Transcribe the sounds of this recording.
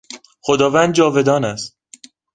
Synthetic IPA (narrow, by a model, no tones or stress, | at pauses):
xod̪ɒːvænd̪d͡ʒɒːve̞d̪ɒːnæst̪